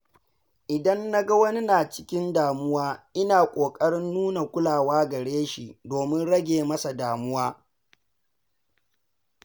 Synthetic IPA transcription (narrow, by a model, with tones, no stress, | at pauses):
ʔɪ˨dɐ˦nːa˦ɡɐ˦wɐ˦ni˦naː˨t͡ʃɪ̥˦kʲɪ˦ndaː˨mʊ˦waː˦ʔɪ˦naː˨kʷʼoː˨kʼɐ˦ɽɪ˦nːuː˦na˨kʷʊ˦laː˨waː˦ɡɐ˨ɽeː˦ʃi˨doː˨mɪ˦nɽɐ˦ɡʲeː˨mɐ˦sa˨daː˨mʊ˦waː˦